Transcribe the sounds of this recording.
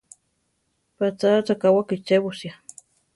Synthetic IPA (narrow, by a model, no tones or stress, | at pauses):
pat͡sat͡sakawakit͡ʃeβʊsja